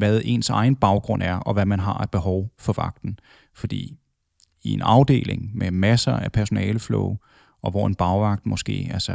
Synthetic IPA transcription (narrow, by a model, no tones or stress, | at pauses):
ʋæðˠe̝̰ːnsɑ̈ɪn̩b̥ɑ̈ʊɡ̥ʁɔ̽n̰æɐʔɒ̽ʋæmænɦɑ̈æ̥b̥e̝ɦɒʊfɒ̽ʋɑ̈ɡ̥̚d̥n̩ | fɒ̽d̥ḭː | ie̝nɑ̈ʊd̥e̝̰ːle̝ŋmemæsɐæpʰæɐso̝nɛːləflɔ̰ʊ | ʔɒ̽ʋɒ̰e̝nb̥ɑ̈ʊʋɑ̈ɡ̥̚d̥mɒ̽sɡ̥e̝̰ːælsɐ